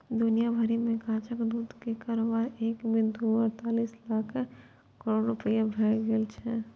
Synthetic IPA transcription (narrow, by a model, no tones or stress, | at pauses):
d̪ʊnijabʱəɾimẽkãːt͡ʃəkd̪uːd̪kekaːɾobaːɾeːkbɪnd̪ʱuəɾt̪aːliːslaːkʰ | kəɾoːɖɾʊpəjabʱɾaɡeːlt͡ʃʰɛ